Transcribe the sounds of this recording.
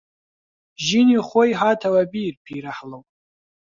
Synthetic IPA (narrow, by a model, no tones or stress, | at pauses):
ʒiniχʷojħatʰawabiːrpʰiɾaħlowpʼ